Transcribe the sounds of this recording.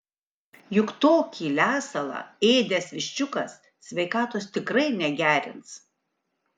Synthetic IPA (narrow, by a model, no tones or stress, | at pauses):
jʊkt̪oːkʲiːlʲæːsɐlˠɑ̰eːd̪ʲesʋʲɪʃʲt͡ʃʲʊkɐs | sʲʋʲɛɪkɑːt̪oːst̪ʲɪkɾɐɪnʲɛɡʲæːɾʲɪ̰nt̪s